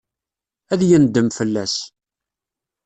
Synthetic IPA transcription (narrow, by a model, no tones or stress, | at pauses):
æðjənd̪əmfəlːæs